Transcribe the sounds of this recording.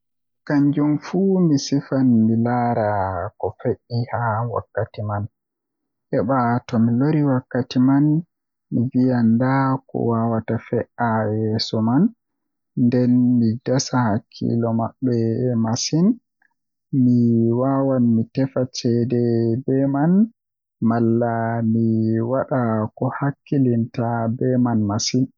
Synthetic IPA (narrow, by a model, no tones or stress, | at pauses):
kaɲd͡ʒumfumisifanmilaːɾakɔfeʔihawa̰kːatiman | ʔɛɓatɔmiloɾiwakːatiman | mivijandakɔ̰wawatafɛʔajɛsɔman | ndɛnmidasahakʰːḭlɔmaɓːɛmasin | miwawanmitɛfat͡ʃɛdɛbɛman | malːamiwaɗakɔhakːilintabɛmanmasin